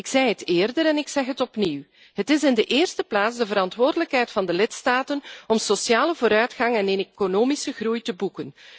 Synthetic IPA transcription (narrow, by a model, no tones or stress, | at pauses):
ɪksɛjɦətɪːrdəɾɛnɪksɛxɦətɔpniw | ɦətɪsɪndəʔɪːrstəplaːtzdəvəɾɑntʋoːrdələkɦɛjtfɑndəlɪtstaːtənɔmsosjaːləvoːɾœɥtxɑŋɛnenekonoːmisəɣrujtəbukən